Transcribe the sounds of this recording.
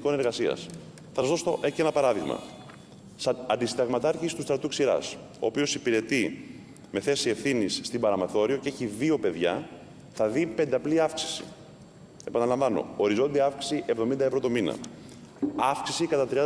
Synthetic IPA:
ko̞neɾɣɐsiɐ̰s | θɐsɐzðosoece̞nɐpɐɾɐðiɣmɐ̰ | ɐnd̪isid̪ɐɣmɐt̪ɐɾcisi̥t̪ust̪ɾɐt̪uksiɾɐ̰s | o̞̰ːpio̞sipiɾe̞t̪i | me̞θe̞sie̞fθinisːt̪ibɐɾɐmeθo̞ɾio̞ce̞çiðio̞pe̞ðʝɐ | θɐðipe̞nd̪eɐpliɐfksi̥si̥̰ | e̞pɐnɐlɐɱvɐno̞̰oɾizo̞nd̪iɐɐfksi̥siʔevðo̞mind̪ɐevɾo̞t̪o̞minɐ̰ | ɐfksisikɐt̪ɐt̪ɾiɐ

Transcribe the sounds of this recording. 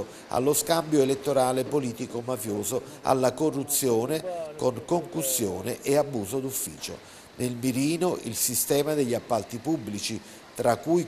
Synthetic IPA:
a̰lːoskambjoelet̪ːoɾaːlepoliːt̪ikomafjoːzoa̰lːakorːut̪sːjoːnekoŋkoŋkusːjoːnɪʔeabːuːzod̪ufːḭːt͡ʃo̰ | nelmiɾiːnoʔilsist̪ɛːmad̪eʎːiapːalt̪ipubːlit͡ʃi | t̪ɾakːuj

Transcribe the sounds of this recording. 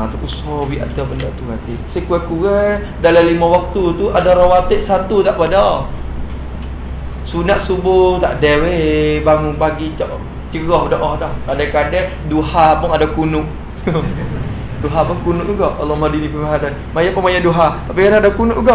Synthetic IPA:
t̪ukusɔwiʔa̰d̪abəndɔʔt̪uɦat̪isekuɛkuwɛ | dalalimawak̚t̪ut̪uʔadaɾawat̪ɪʔsat̪ut̪aʔpadɔ | sunaʔsubʊt̪aʔdɛwebaŋubaɡit͡ʃɔʔ | t͡ʃəɡɔhdɔʔɔhdɔhkadɛkadɛ | duhapʊnadakunʊʔ | duɦapʊnkunʊʔɡɔʔɔ̰lɔmadinipəmaɦadan | majapunmajaduɦat̪apikanadakunʊʔɡɔʔ

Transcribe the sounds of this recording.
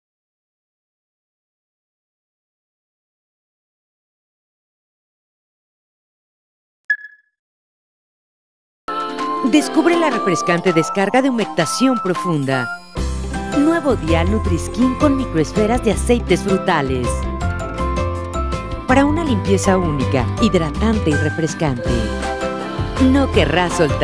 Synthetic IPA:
d̪e̞skuβɾelare̞fɾe̞skant̪e̞ðeskaɾɣaðeumek̚t̪asjo̞mpɾo̞fund̪a | nweβ̞o̞ðjalnut̪ɾiskiŋko̞nmikɾo̞esfe̞ɾazðease̞jt̪e̞sfɾut̪ale̞s | paɾaunalimpje̞saunika̰iðɾat̪ant̪eire̞fɾe̞skant̪ḛ | no̞ke̞rasːolt̪

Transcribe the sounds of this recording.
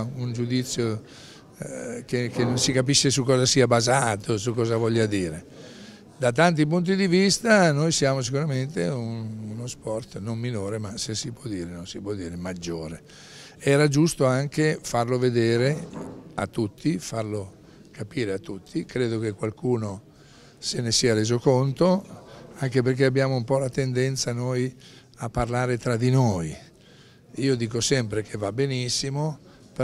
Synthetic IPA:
und͡ʒud̪it̪sːjo | kekenonsikapiʃːesukːɔːzasiːabazaːt̪osukːɔːzavɔʎːad̪iːɾe | d̪at̪ant̪̬ip̬unt̪̬id̪ivist̪anojsjaːmos̬ikuɾament̪eununospɔrt̪nomminoːɾemasesipwɔd̪ːiːɾenonsipwɔd̪ːiːɾemad͡ʒːoːɾe | ɛːɾad͡ʒust̪oaŋkefarloved̪eːɾeat̪ːut̪ːifarlo | kapiːɾeat̪ːut̪ʰːikɾeːd̪ok̟ekwalkuːno | senesiːaɾeːzokont̪oaŋkep̬erk̟eabːjaːmoumpɔlat̪end̪ɛnt̪sanoj | apːarlaːɾet̪ɾad̪inoj | iːod̪iːkosɛmpɾekʰevabenisːimo | p

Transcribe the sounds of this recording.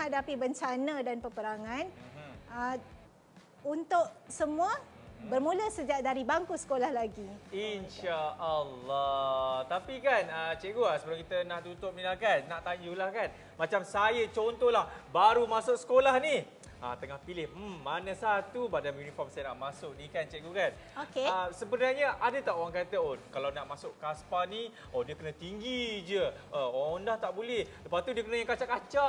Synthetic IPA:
hadapibəɲt͡ʃanədanpəpəɾaŋãnə | unt̪ʊʔsəmũə | bərmũləsəd͡ʒaʔ̚daɾibaŋkusə̥kolahlaɡiinʃaəlːɔt̪apikanət͡ʃɛʔɡuasəpəɾoŋkit̪ənaʔt̪ut̪ʊp̚nilahkanːaʔt̪aɲd͡ʒulahkan | mat͡ʃamsajət͡ʃont̪ɔlahbaɾumasʊk̚sə̥kolahni | a̰t̪əŋahpilɪhm̩ːanə̃sat̪ubadamjunifɔrmsajənaʔmasʊk̚nikant͡ʃɛʔɡukan | okeəsəbənarɲəʔadət̪aʔowaŋkat̪əokalawnaʔmasʊʔkaspani | odiəkənə̃t̪iŋɡid͡ʒəʔəoaŋndaht̪aʔbulɛhləpast̪udiəkənə̃jaŋkat͡ʃaʔkːat͡ʃaʔ

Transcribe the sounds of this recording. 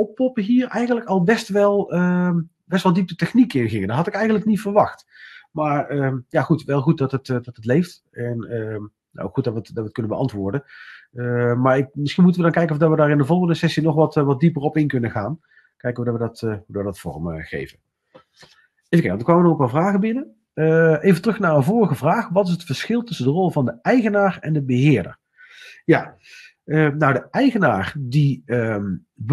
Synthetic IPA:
ɔpːɔpəɦiːɹɛjɣənləkɑlˠbɛstʋɛlˠə | bɛstʋɑlˠdip̚dətɛχnikɪnɣɪŋədɑtɦɑtɪkɛjɣəntləknitfəɹʋɑxt | maːɹəːjaχutʋɛlˠχut̚dɑtətdɑtətlejft | ɛnə | na̰o̰wkxut̚dɑtʋətdɑtət̚kɵnənbəʔɑntʋʊːɹdəəmaːɹɪk̚mɪsχinmutəʋədɑnkɛjkənɔfdɑtʋədaːɹɪndəvɔlˠɣəndəsɛsinɔχʋɑtʋɑt̚dipərɔpɪnkɵnəχa̰ːn | kɛjkəʋədɑtʋədɑtudʋədɑtfɔ̰rəməχḛjvə | evəkejkʋɑndəkʋaːmənɔχənpaːvraːɣəbɪnə | ʔejvətərɵxnaːɹənvɔlrəɣəvraːχʋɑtɪs̬ɦətfəɹsxɪlˠtʏsəndərɔlˠvɑndəʔɛjɣənaːrɛndəbəɦɪːɹdə̰r | ja | ənawdəɛjɣənaːrdiə | b

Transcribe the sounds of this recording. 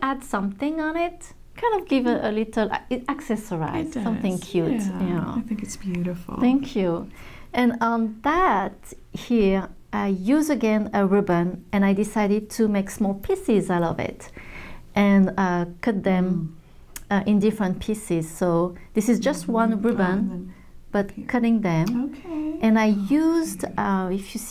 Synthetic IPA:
ædsʌ̃mθɪ̃ŋə̃nɪt̚ | kʰãɪ̃ndʌvɡɪvə̃ʔəlɪɾl̩̰ˠæksɛsə˞a̰ɪz̥sʌ̃mθɪ̃ŋkʰj̥ʉtnaaɪθɪ̃ŋkɨtsb̥jʉɾɪfl̩ˠθæ̃ŋkʰjuʔɨ̃nə̃nðæt | hiɹ | ʔaɪjuzɨɡɛ̃nəɹɪbə̃nɨ̃naɪdɪsaɪɾɨd̚tʰɨmeɪksmɔlˠpʰisɪzaʊɾʌvɪ̰t | ʔɨ̃nʌkʰʊt̪̚ðɨ̃m | ʔɪ̃ndɪfɹə̃npʰisɪz̥soʊðɪsɨzd͡ʒʌst̚wʌ̃nɹʊbə̃n | b̥ʌt̚kʰʌɾɪ̃ŋðɨ̃mʔɨ̃naɪjuzdʌɪfjɨs

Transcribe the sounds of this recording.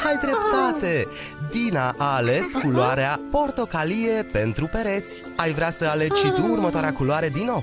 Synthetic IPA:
ajd̪ɾe̞p̚t̪at̪e̞d̪inaʔaːle̞skuloaɾeapo̞rt̪o̞kalije̞pe̞nt̪ɾupe̞ɾe̞t̪sʲ | ajvɾeasəale̞d͡ʒʃit̪uːrmət̪oaɾeakuloaɾe̞d̪inːo̞w

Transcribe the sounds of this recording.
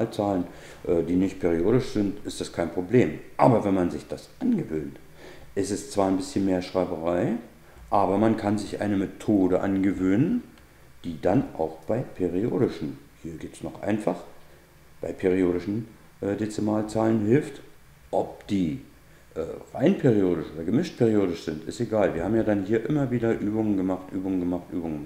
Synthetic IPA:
aːlt͡saːlən | ʔɛːdiːnɪçt̚pʰeːʁ̞ioːɾɪʃz̥ɪntɪstd̥askʰaɪnpʁ̥obleːmʔa̰ːbɐvɛnmanzɪçd̥asʔanɡəvøːnt | ʔɪstɛst͡sv̥aːɐɪnbɪsçənmeːɐʃʁ̥aɪbəʁaɪ | ʔaːbɐmankʰanzɪçʔa̰ɪnəmetʰoːdəʔa̰nɡəvøːnən | d̥iːdanʔa̰ʊxb̥aɪpʰeʁio̰ːɾɪʃn̩hiːɐɡiːp̚tə̥snɔχʔa̰ɪnfaχ | b̥aɪpʰeʁioːɾɪʃn̩ | ʔɛdet͡sɛmaːlt͡saːlənɦɪlft | ʔɔp̚d̥iː | ʔɛːʁa̰ɪnpʰeːʁioːdɪʃʔoːdɐɡəmɪʃt̚pʰeːʁioːdɪʃz̥ɪntɪsteɡaːlviːɐhaːbmjaːdanhiːɐʔɪmɐviːdɐʔyːbʊŋənɡəmaχtʔyːbʊŋənɡəmaχtʔyːbʊŋən

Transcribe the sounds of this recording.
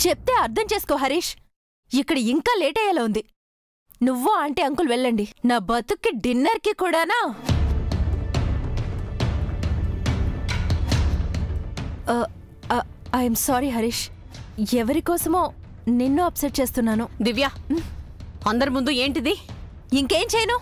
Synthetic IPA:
t͡ʃep̚t̪e̞ːɐɾt̪ʰɐmt͡ʃeːskoːɦɐɾiːʃ | ikːɐɽiiŋkaːleːʈɛjalaund̪i | nuʋːoɐɳʈeːɐŋkulʋɛɭːɐɳɖinaːbɐt̪ukːiɖinːɐɾkikuːɽaːnaː | ɐjɐmsaːɾiɦɐɾiːʃ | ɛʋɐɾikɔːsɐmoː | ninːuɐpseʈ̚t͡ʃe̞ːst̪unːaːnud̪iʋjaː | ɐnd̪ɐɾimund̪ue̞ːɳʈid̪i | iŋke̞ːmt͡ʃɛjɐnuː

